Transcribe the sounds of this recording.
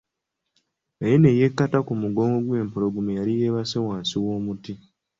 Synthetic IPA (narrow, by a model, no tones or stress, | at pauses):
ejeneje̞kːatakumuɡo̞ːŋɡoɡwe̞ːmpoloɡumejalijeːβasewaːnsiwoːmuti